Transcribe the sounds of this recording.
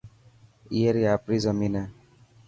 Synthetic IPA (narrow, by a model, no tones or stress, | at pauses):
iaɾiapɾizʌmina